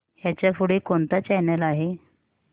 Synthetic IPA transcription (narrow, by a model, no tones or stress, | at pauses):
jat͡ɕjafuɽekont̪at͡ɕɛnəlaɦe